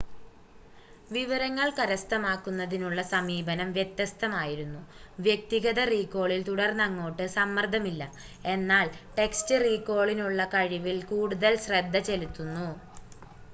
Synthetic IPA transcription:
ʋiʋɐɾɐŋːɐɭkɐɾɐst̪ɐmaːkːunːɐðinuɭːɐsɐmiːbɐnɐmʋje̞t̪jɐst̪ɐmaːjiɾunːuʋjek̚t̪iɣɐðɐriːkːo̞ːɭilt̪uɽɐrnːɐŋːo̞ːʈːɨsɐmːɐrd̪ʱɐmilːɐ | e̞nːaːɭʈe̞kstɨriːkːo̞ːɭinuɭːɐkɐɻiʋilkuːɽuðɐlɕred̪ʱːɐt͡ɕe̞lit̪ːunːu

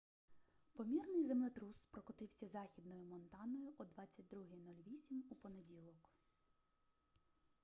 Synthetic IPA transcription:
pɔmʲirnɪjzemlˠet̪ɾuspɾɔkɔt̪ɪwsʲɐzɑxʲid̪nɔjʊmɔnt̪ɑnɔjʊʔɔd̪ʋɑt͡sʲːɐt̚ʲd̪ɾuɦɪjnulʲʋʲisʲimupɔnedʲilˠɔk

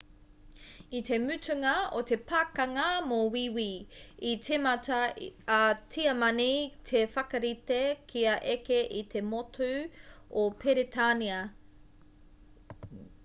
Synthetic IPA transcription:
it̪e̞mʉtʉŋɐot̪e̞pʰaːkɐŋɐmowiwiitʰemɐtɐɐtʰiɐmɐnitʰefɐkɐɾit̪ekʰiɐʔekeʔit̪ʰe̞motʰuopʰeɾetʰaniɐ

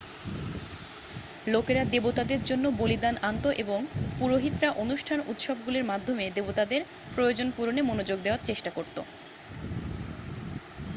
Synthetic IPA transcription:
lokeɾad̪ebot̪ad̪eɾd͡ʑonːobolid̪anʔant̪oʔeboŋpuɾoɦit̪ːɾaʔonuʃʈʰanut̪ʃɔb̚ɡuleɾmad̪ʱomed̪ebot̪ad̪eɾ | pɾojod͡ʑonpuɾonemonod͡ʑoɡd̪eoaɾt͡ɕeʃʈakoɾt̪o̰

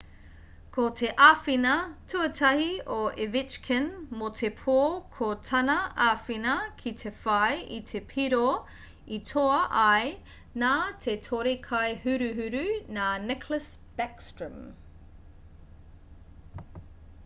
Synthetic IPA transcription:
kʰot̪ʰeʔafinɐtʰuɐtʰɐhioʔevit͡ʃkʰənmot̪ʰepʰoːkʰotʰɐnɐafinɐkʰit̪ʰefɐjit̪ʰepʰiɾo | itʰoɐʔɐj | naːt̪ʰetʰoɾikʰɐjhʉɾʉɦʉɾʉnaːnɛkʰləs | b̥ɛkstɹə̃m

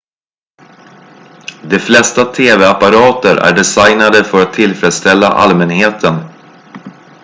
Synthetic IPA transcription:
d̪ɛflɛst̪at̪ʰeːvɛapaɾɑːt̪əɾʔæ̰ɖɛsajnad̪əfœɾat̪ʰːɪlfɾɛd̪st̪ɛlːa̰ʔa̰lmɛnɦeːt̪ʰən

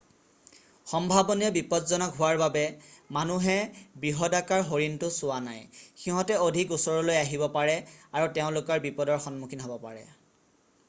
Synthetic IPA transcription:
xɔmbʱabɔnijɔbipɔdzɔnɔkɦʊwaɹbabɛmanuɦɛbɹiɦɔdakaɹɦoɹintʊsʊwanajxiɦɔ̃tɛodʱikusɔɹɔlojaɦibɔpaɹɛaɹutɛʊ̃lʊkɔɹbipɔdɔɹxɔnmukʰinɦobɔpaɹɛ̰

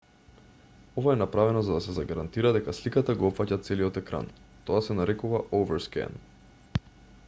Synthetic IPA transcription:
ɔvaɛnapɾavɛnɔzad̪asɛzaɡaɾant̪iɾad̪ɛkaslikat̪aɡɔɔpfacat̪sɛliɔt̪ɛkɾa̰n | t̪ɔasɛnaɾɛkuvaʔovɛɾskɛ̰n

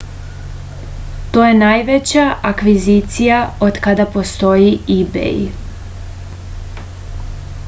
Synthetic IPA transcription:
t̪oːjenajʋet͡ɕaʔakʋizit̪sijaod̪kad̪apo̞st̪o̞jiibḛj

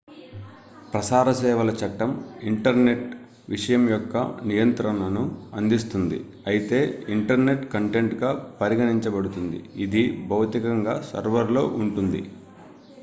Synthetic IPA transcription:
pɾɐsaːɾɐsɛːʋɐlɐt͡ʃɐʈːɐmiɳʈɐɾne̞ʈ̚ | ʋiʂɐjɐmjɔkːɐ̰nijɐnt̪ɾɐnɐnuɐnd̪is̬t̪und̪ḭ | ɐjit̪e̞ːiɳʈɐɾne̞ʈkɐɳʈe̞ɳʈɡaːpɐɾiɡɐniɲt͡ʃɐbɐɽut̪und̪ḭid̪ibʱɐwt̪ikɐŋɡaːsɐ̰ɾʋɐɾlo̞̰ːʔuɳʈund̪ḭ

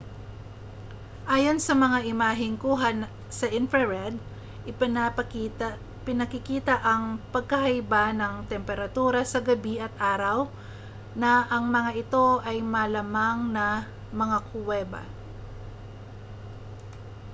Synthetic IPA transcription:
ʔaːjonsɐmɐŋaʔɪmaːɦɪŋkuːɦɐn | sɐʔɪnfɛɹɛd̪ | ʔɪpɪn | pɪnɐkɪkiːt̪ɐʔɐŋpɐɡ̚kɐɦɐjbanɐŋt̪ɛmpɛɾɐt̪uːɾɐsɐɡɐbiʔɐt̪̚ʔaːɾɐw | nɐʔɐŋmɐŋaʔɪt̪o̞ʔɐjmɐlɐmaŋnɐ | mɐŋakʰʊwɛːbɐ̰

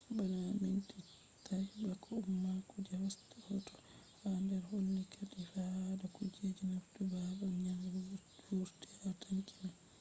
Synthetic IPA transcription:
banaminti | tabakʰɔumːakɔd͡ʒawastahɔtɔ̥ | handɛɾhonːikʰatifahdakɔd͡ʒed͡ʒinaftubabaɲaŋ | wuɾti̥hataŋkina

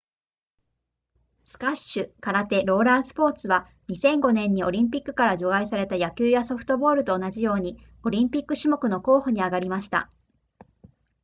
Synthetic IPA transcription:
sɨ̥kaɕɕɨkaɾat̪e̞ɾo̞ːɾaːsɨ̥po̞ːt͡sɨβa | ɲ̟isẽ̞ŋɡo̞nẽ̞ɲ̟ːio̞ɾʲĩmp̬ʲikːɯ̟̥kaɾaʑo̞ɡais̬aɾe̞t̪ajakʲɨːjaso̞ɸɯ̟̥t̪o̞bo̞ːɾɯ̟t̪o̞ːnad͡ʑijo̞ːɲ̟i | o̞ɾʲĩmpʲikːɯ̟ɕimo̞kɯ̟no̞ko̞ːhoɲ̟iaɡaɾʲimaɕi̥t̪a̰

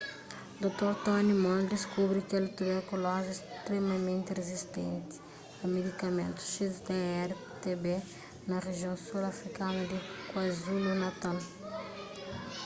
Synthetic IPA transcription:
d̪ot̪oɾt̪ɔnimɔ̃nd̪iskubɾikɛlit̪ubɛɾkulɔʒest̪ɾemɐmẽnt̪irezist̪ḛ̃nt̪i̥ | ɐmed̪ikɐmẽnt̪u̥ʃizd̪eɛɾ | t̪ebe | nɐʁeʒiõw̃suɾɐfɾikanɐd̪ikwɐzulunɐt̪al

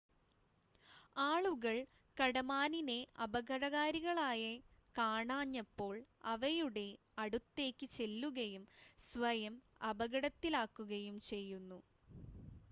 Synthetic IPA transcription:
aːɭuɣɐɭ | kɐɽɐmaːnineʔɐbɐɣɐɽɐɣaːɾiɣɐɭaːjɐ | kaːɳaːɲːɐpːo̞ːɭɐʋɐjuɽe̞ | ɐɽut̪ːe̞ːkʲːɨt͡ɕe̞lːuɣɐjumsʋɐjɐm | ɐbɐɣɐɽɐt̪ːilaːkːuɣɐjumt͡ɕe̞jːunːu

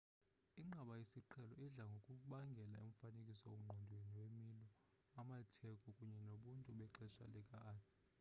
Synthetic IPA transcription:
iŋ͡ǃʱaɓajesiǃʰɛlɔiɮaŋɡʱokʼuɓaŋɡʱɛla̰ḛɱfanekʼisɔom̩ŋ͡ǃʱɔndʱweniwemilɔ | amatʰɛkʼɔkʼuɲɛnoɓuntʼuɓɛǃɛʃa̰lɛkʼaːn

